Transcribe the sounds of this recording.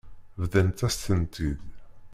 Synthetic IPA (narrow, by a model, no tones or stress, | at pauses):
vðənt̪æst̪ənt̪ið